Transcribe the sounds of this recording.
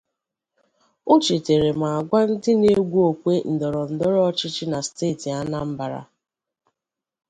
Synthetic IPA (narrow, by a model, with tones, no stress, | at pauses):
ʊ˦t͡ʃi˨te˨ɾe˨ma˨a˨ɡʷa˦n̩˦dɪ˦ne˦ɡʷu˦o˨kʷe˦n̩˨dɔ˨ɾɔ˨n̩˨dɔ˦ɾɔ˦ɔ˦t͡ʃɪ˦t͡ʃɪ˦na˨steː˦˨ti˨a˦na˦m̩˦ba˨ɾa̰˨